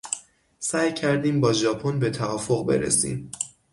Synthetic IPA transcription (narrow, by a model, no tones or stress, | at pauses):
sæːjcʰæɾd̪iːmbɒːʒɒːpʰonbe̞t̪ʰævɒːfoɣbe̞̰ɾḛsḭːm